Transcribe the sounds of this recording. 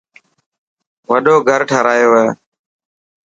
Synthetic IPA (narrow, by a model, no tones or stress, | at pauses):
ʋəɗoːɡʱəɾʈʰəːɾaːjoːʋeː